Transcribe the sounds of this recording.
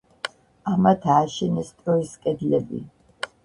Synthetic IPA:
amat̪ʰaːʃɛnɛst̪ʼɾɔiskʼɛd̪lɛbḭ

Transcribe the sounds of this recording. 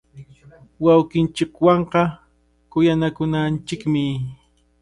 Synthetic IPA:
wawkɪnt͡ʃɪkwɑɴqɑ | kʊjanakʊnant͡ʃɪkmɪ

